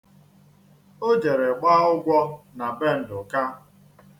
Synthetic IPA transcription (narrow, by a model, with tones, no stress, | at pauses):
o˦d͡ʒe˨ɾe˨ɡ͡baː˦ʊ˦ɡʷɔ˦na˨be˦˨n̩˨dʊ˨ka˦